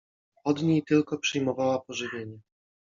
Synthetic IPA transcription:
ɔd̪ɲejt̪ɘlkɔpʂɘjmɔvawapɔʐɘvʲjeɲɛ

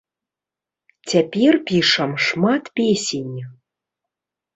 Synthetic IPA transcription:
tʲæpʲerʲpʲiʂəmʂmɑt̪pʲesʲenʲ

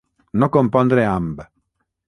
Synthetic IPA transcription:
nɔkompɔnd̪eɾeamb

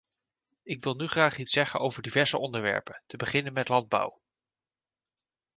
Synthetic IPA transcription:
ɪkʋɪlˠnyχraːχitsɛχənowvəɹdivɛɹz̥əʔɔndəɹʋɛ̰ɹpəntəbəχɪnənmɛtlɑnd̚bʌ̰w

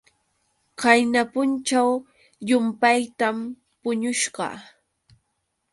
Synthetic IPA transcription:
kajnapʊnt͡ʃaw | jʊmpajt̪am | pʊɲʊʃɢɑ̰

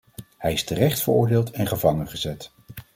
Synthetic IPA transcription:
hɛjɪstərɛχtfəɹʊːɹdeːlˠtɛnχəvɑŋənχəzɛt

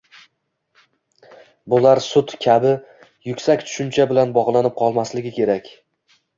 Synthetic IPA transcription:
bʊlaɾsʊt̪kʲʰabɪ | jʊkʲsakʲt̪ʰʊ̥ʃʊnt͡ʃʰabɪlanbɒʁlˠanɪp̚qʰɒlˠmaslɪɡʲɪkʲe̞ɾakʲ

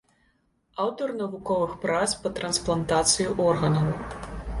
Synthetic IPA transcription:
awt̪ɔrnɐvukɔvɨxpɾaspɐt̪ɾɐnsplˠɐnt̪at̪sɨjuʔɔrɣɐnɐw

